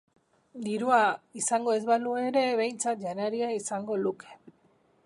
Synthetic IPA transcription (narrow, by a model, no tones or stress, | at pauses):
d̪iɾuaisaŋɡo̞ezβalue̞ɾe̞βe̞jnt͡sat̪ʝanaɾiaisaŋɡo̞luke̥